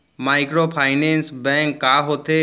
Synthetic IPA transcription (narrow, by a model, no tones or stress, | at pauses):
maːɪkɾopʰaːɪnẽːnsbɛ̃ŋkːaːɦot̪e